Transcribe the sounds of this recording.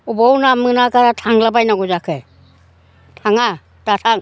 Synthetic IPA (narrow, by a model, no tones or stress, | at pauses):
ubɔwnamɯnakaɾatʰaŋlabajnaɡɔzakʰɯ | tʰaŋa | tatʰaŋ